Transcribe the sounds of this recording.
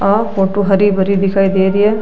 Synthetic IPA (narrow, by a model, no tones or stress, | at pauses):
aːkoːʈːuɦɐɾibɐɾid̪ikʰaːjd̪eːɾije